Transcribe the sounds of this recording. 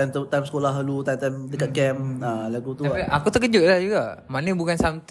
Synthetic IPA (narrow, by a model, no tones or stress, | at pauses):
ajmt̪ajmsə̥kolaɦlut̪ajmt̪amdəkat̪̚kɛmalaɡut̪uʔakut̪ək̬əd͡ʒʊt̪̚lahd͡ʒuɡaʔmanə̃bukansamt̪